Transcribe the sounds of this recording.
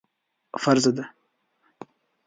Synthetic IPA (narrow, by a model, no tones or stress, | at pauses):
faɾzad̪a